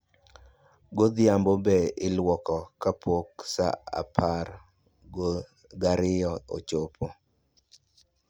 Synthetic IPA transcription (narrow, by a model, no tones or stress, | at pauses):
ɡod̪jambobɛɪlwɔkɔkapwoksa̰a̰pʰaɾ | ɡo | ɡaɾɪjɔo̰t͡ʃopʰo